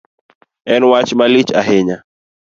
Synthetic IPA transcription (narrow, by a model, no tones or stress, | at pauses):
ɛnwat͡ʃmalit͡ʃaɦɪɲa